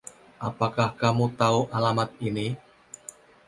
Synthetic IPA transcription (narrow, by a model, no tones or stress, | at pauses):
ʔapakahkamut̪auʔalamat̪̚ini